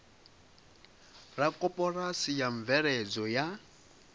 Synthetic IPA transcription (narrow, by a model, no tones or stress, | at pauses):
rakʼɔpʼɔrasijaɱ̩vɛɾɛd͡zɔja